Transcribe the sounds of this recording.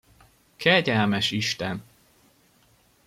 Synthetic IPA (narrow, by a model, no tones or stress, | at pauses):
kʰɛɟɛlmɛʃiʃt̪ɛn